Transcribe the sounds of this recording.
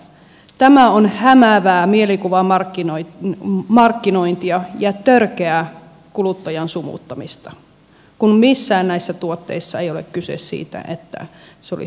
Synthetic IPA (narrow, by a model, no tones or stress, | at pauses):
t̪æmæonhæmæʋæːmielikuʋɑɑrin | mɑrkːinoint̪iɑjɑt̪ørkeæ | kulut̪ːɑjɑnsumṵt̪ːɑmist̪ɑ̥ | kunmisːæːnnæisːæt̪uot̪ːe̞̰isːɑejolḛkkysḛssḭːt̪æ̰ʔḛt̪ːæ̰ | seolḭ